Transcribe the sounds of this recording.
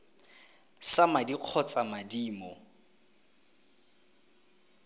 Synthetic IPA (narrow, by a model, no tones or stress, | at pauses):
samadiq͡χʰɔt͡sʼamadiːmɔ